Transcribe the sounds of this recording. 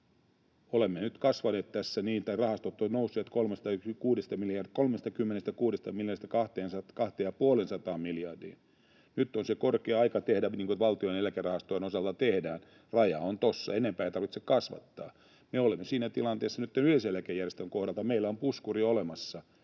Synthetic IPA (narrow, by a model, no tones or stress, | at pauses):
olemːenyt̪kɑsʋɑneːt̪t̪æsːæniːnt̪ɑirɑhɑst̪ot̪ːonousːiɑt̪kolmest̪ɑkuːdest̪ɑmiljɑrkolmest̪ɑkymːenest̪ækuːdest̪ɑmiljɑnest̪æ̥kɑht̪eːnsɑkɑht̪eːjɑpuolensɑt̪ɑːmmiljɑrdḭːn | nyt̪ːonsekorkeːɑikɑt̪ehdæniːŋkoʋɑlt̪ioenelækærɑhɑst̪ojenosɑlt̪ɑt̪ehdæːn | rɑjɑ̰ont̪osːɑ̰enempæːjɑt̪ɑrʋit̪sekɑsʋɑ̰t̪ːɑ̰ː | meolemːesiːnæt̪ilɑnt̪eːsːɑnyt̪ːenyheselækejærjest̪øŋkohdɑlt̪ɑmeilːæompuskuriolemɑsːɑ